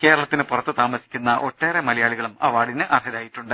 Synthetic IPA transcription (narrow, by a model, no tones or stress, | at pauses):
ke̞ːɾɐɭɐt̪ːinɨpurɐt̪ːɨt̪aːmɐsi̥kʲːunːɐʔo̞ʈːe̞ːremɐlɐjaːɭiɣɐɭumɐʋaːɽinɨʔɐrɦɐɾaːjiʈːuɳɖɨ